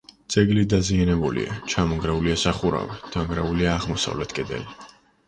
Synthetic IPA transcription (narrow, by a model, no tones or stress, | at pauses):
t̪sʼɛɡlid̪azianɛbulḭa̰t͡ʃʰamɔŋɡɾɛuliasaχuɾa̰vɛd̪̥aŋɡɾɛuliaːʁmɔsa̰vlɛt̪ʰkʼɛd̪ɛ̰li